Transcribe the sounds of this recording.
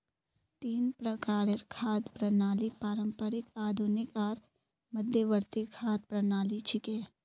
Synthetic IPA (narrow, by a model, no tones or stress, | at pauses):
t̪iːnpɾəkaːɾeɾkʰaːd̪pɾənaːlipaːɾə̃mpəɾɪkaːd̪ʱunɪkɔːɾ | məd̪ʱjəʋəɾt̪ikʰaːd̪̚pɾɐnaːlit͡ʃʰɪkeː